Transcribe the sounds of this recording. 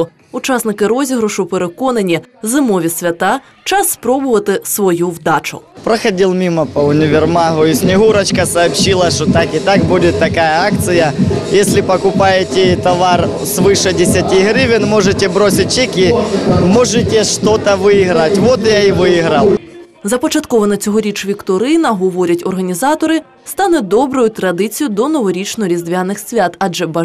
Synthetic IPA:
ʊ | ʊt͡ʃasnɪkɪɾɔzʲiɦɾʊʃʊpeɾekɔnɐnʲizɨmɔʋʲisʲʋʲɐt̪a | t͡ʃasːpɾɔbʊʋɐt̪ɪsʋɔjuwd̪at͡ʃʊ̰pɾɐxɐdʲilˠmʲimɐpɐʊnʲɪʋʲɪrmaɦʊisʲnʲɪɦuɾɐt͡ɕkɐsɐːpɕilˠɐʂt̪ot̪akɪt̪ak̚budʲɪt̪ːɐkajɐakt̪sɨjɐjesʲlʲɪpɐkʊpajɪtʲɪt̪ɐʋar | sʋɨʂɛdʲɪsʲɐtʲiɦɾʲɪʋʲɪnmɔʐetʲɪbɾosʲɪt̚ʲt͡ʃikʲimɔʐɛtʲeʂt̪ot̪ɐʋɪiɣɾɐtʲʋɔt̪jaiʋɪiɦɾɐlˠ | zɐpɔt͡ʃɐt̪kɔʋɐnɐt͡sʲɔɦɔɾʲit͡ʃʋʲikt̪ɔɾɪnɐɦɔʋɔɾʲɐtʲɔrɦɐnʲizɑt̪ɔɾɪ | st̪ɑnɛd̪ɔbɾɔjʊt̪ɾɐd̪ɪt͡sʲijʊd̪ɔnɔʋɔɾʲit͡ʃnɔɾʲizd̪ʋʲanɪxsʲʋʲat̪ɐʒɛbɐ

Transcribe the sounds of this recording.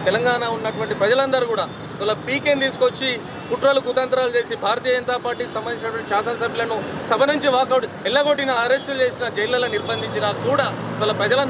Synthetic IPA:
t̪ɛlɐŋɡaːnaunːɐʈuʋɐɳʈipɾɐd͡ʒɐlɐnd̪ɐɾukuːɽaː | iʋɐːlːɐpiːkent̪iːsu̥ko̞t͡ʃːi | kuʈɾɐlukut̪ɐnt̪ɾaːlut͡ʃe̞ːsibʱaːɾɐt̪ijɐd͡ʒɐnt̪aːpaːɾʈiːkisɐmbɐniɲt͡ʃːnɐʈuʋɐɳʈiʃaːt̪ɐnɐsɐbʱjilɐnusɐbʱɐnuɲt͡ʃiʋaːkɐ | ɛlːɐɡo̞ʈːinɐːɾe̞sʈult͡ʃe̞ːsinɐd͡ʒɐjlɐlɐniɾbʱɐnd̪iɲt͡ʃinaːkuːɽaːiʋɐːlːɐpɾɐd͡ʒɐlɐn

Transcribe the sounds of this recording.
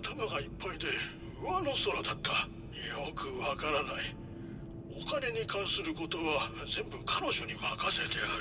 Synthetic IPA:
t̪amaɡaipːaid̪e̞ | ɯ̟βano̞so̞ɾad̪at̪ːa | jokɯ̟βakaɾanai | o̞kane̞ɲ̟ikãɰ̃sɨɾɯ̟ko̞t̪o̞βazẽ̞mbɯ̟kʰano̞ʑo̞ɲ̟imakase̞t̪e̞aɾ

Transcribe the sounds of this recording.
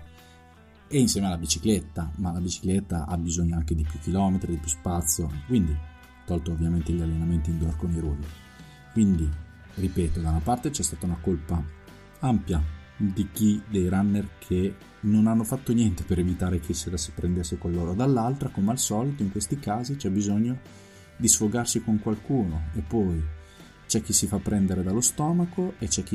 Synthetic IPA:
einsjɛːmealːabit͡ʃiklet̪ːamalabit͡ʃi̥klet̪ːaʔa̰bizoɲːoaŋk̟ed̪ipjukːilɔːmet̪ɾid̪ipjuspat̪sːjokwind̪i | t̪ːɔlt̪oːvːjament̪eʎːalːenament̪ind̪uarkoniɾuːvi | kwind̪i | ripɛːt̪od̪aunapart̪et͡ʃɛst̪aːt̪aunakolpa | ampjad̪ik̟id̪ejɾanːerkʰe | nonanːofat̪ːonjɛnt̪e̥peɾevit̪aːɾek̟ʰeselasepɾʔend̪esːekolːoːɾod̪alːalt̪ɾakomealsɔːlit̪oiŋkwest̪ikaːzit͡ʃɛbizoɲːo | d̪isfoɡarsikoŋkwalkuːnoepːɔj | t͡ʃɛk̟ːisifapːɾɛnd̪eɾed̪alːost̪ɔːmakoet͡ʃɛkːi

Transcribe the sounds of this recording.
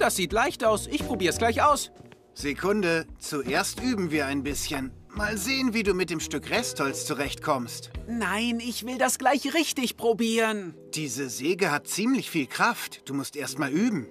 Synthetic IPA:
d̥asz̥iːtlaɪçtaʊsʔɪçpʁ̥obiːɐəsɡ̥laɪçaʊs | z̥ekʰʊndət͡suʔeːɐstʔyːbm̩viːɐaɪnbɪsçən | maːlzeːənviːduːmɪt̚d̥eːmʃtʏkʁɛsthɔlst͡suʁɛçtkʰɔmstnaɪnɪçv̥ɪldasɡ̥laɪçʁɪçtɪçpʁ̥obiːʁənd̥iːzəzeːɡəhat̚t͡siːmlɪçfiːlkʁ̥aftd̥uːmʊstʔeːɐstmaːlyːbm̩

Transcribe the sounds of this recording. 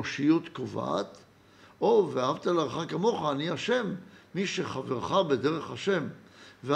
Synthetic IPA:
oʃijut̪kova̰t̪ | o̞veaɦavt̪alaʁχakamo̞χaːniaʃe̞mːiʃeχaveʁχabede̞ʁeχaʃemve

